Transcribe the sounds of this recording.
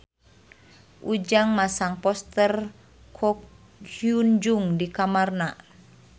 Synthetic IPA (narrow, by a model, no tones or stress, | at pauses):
ʔud͡ʒaŋmasaŋpɔst̪ɛr | kʰɔ | und͡ʒuŋdikamarna